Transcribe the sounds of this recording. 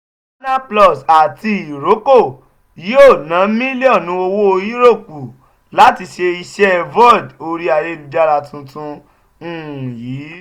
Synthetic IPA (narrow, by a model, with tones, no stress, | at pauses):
na˦plɔ˦˨sa˨ti˧i˨ɾo˨˦ko˦˨ | jo˦˨nã˨˦mĩ˦li˦ɔ̃˦˨nũ˧˦o˧wo˦o˧ji˦ɾo˦˨ku˨ | la˨˦ti˧ʃe˧i˧ʃɛ˦vɔ˦˨do˧ɾi˦a˨je˧li˧da˧ɾa˧tũ˧tũ˧˦˨ | jiː˨˦